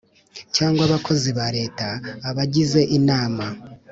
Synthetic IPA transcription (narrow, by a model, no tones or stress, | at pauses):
caːŋɡwaβakʰo̞ziβaɾe̞ːtaːβaɟize̞ʔinaːma